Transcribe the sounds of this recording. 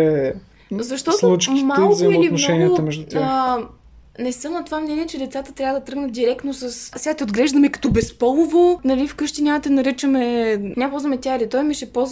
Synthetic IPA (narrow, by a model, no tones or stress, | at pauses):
ɛ | zɐʃt̪ɔt̪slˠut͡ʃkimːalˠzɐitlinomaʃɛniət̪əmɛʒd̪ut̪ʲa | nɛsɤmnɐt̪ovamnʲɛnʲiɛt͡ʃɛd̪ɛt̪sat̪ət̪ɾʲavəd̪ɐt̪ɾɤɡnət̪̚d̪iɾɛkt̪nosɐssɛɡat̪ɛod̪ɡlɛʒd̪ɐmɛkɐ̥t̪ɔbɛspɔlˠʊvonɐlifkɤʃt̪inʲamt̪ɛnɐɾit͡ʃɐmɛnʲapɔlzvɐmɛt̪ʲjaɾit̪ɔjmiʃɛpɔz